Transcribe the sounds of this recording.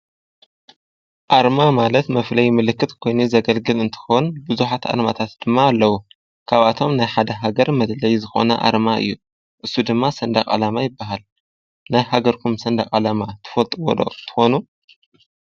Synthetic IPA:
ʔaɾmamalɐt̪mɐflɐjmɨlɨkːɨt̪kʰo̞jnuzɐɡɐlɡɨlɨnt̪ʰɨ̥xonbɨzuħat̪ʔa̰ɾma̰t̪ʰat̪d̪̥ɨmːaːlːɐwu | kʰaβʔat̪ʰo̞mnajħad̪ɐɦaɡɐɾmɐd̪lɐjzɨxo̞̰nɐʔa̰ɾmaɨ̰jːu | ʔɨsːud̪ɨmːasɐnd̪akʼa̰lamajɪbːaɦal | najhaɡɐɾkʰumsɐnd̪akʼalamat̪ʰɨ̥fɐlt̪ʼɨwo̰lo̰t̪ʰɨ̥xonu

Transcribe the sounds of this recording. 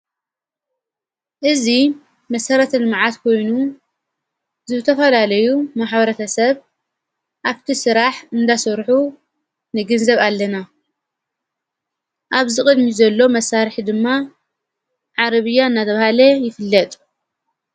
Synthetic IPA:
ʔɨzi | mɐsɐɾɐt̪ʰɨnmʕat̪kʰo̞jnu | zɨβɨt̪ʰɐfɐlalɐjumaħbɐɾɐt̪ʰɐsɐβ | ʔaβt̪ʰisɨɾaħɨnd̪asɐɾħu | nɨɡɨnzɐβalːɐna | ʔaβzɨkʼɨd̪mizɐlːo̞mɐsaɾɨħd̪ɨmːa | ʕaɾɐβɨjːaɨnːat̪ʰɐβahalɐjɪfɨlːɐt̪ʼ

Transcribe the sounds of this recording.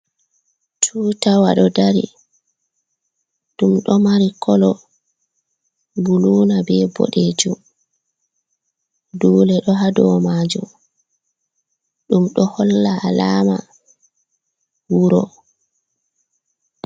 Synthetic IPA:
tʰuːtawaɗɔdaɾḭ | ɗumɗɔmaɾikʰɔlɔ | buluːnabɛbɔ̰ɗed͡ʒum | duːlɛɗɔɦadɔmaːd͡ʒṵm | ɗumɗɔhɔlːaalaːma̰ | wuɾɔ

